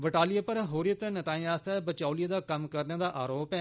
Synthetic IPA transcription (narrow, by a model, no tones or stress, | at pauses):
ʋɪʈaːlɪjaːpəɾɦoːɾijət̪ɛːnət̪aːĩːaːst̪ɛːbət͡ʃaːulijaːd̪aːkəmkəɾnãːd̪aːʔaːɾoːpɛː